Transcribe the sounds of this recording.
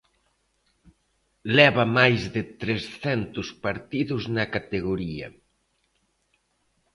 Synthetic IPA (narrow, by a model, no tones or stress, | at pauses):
lɛβɐmajzðɪt̪ɾesθɛnt̪ʊspaɾt̪iðʊznɐkat̪eɣoɾiɐ̰